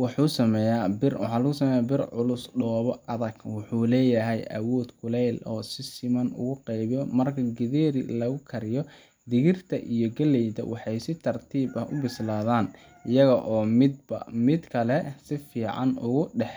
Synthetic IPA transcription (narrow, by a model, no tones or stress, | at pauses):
wɑħuːsɐmɛjaːbɪrwɑ̰ħɑːlɐɣʊsɐmɛːjaːbɪrʕʊlʊsɖɔːβɔɐðɐɡwʊħuːlɛːjɐɦɛjʔɐ̰wɔːd̪kʰʊlɛlʔɔːsɪsɪmɐnʊ̰ɣʊqɛjβjɔmɐrkʰɐɡɪðɛːɾɪ̰lɐɣʊkʰɐɾɪjɔ | d̪ɪɣɪrt̪ʰɐ̰ʔijɔɡɐlɛjd̪ɐ̰wʔɑħɑjsɪt̪ʰɐrt̪ʰiːbɐhʊbɪslaːðaːn | ɪjɐɣɐʔɔːmɪd̪ɐ̰mɪd̪kʰɐlɛsɪfiːʕɑ̰nʊɣʊɖɛħ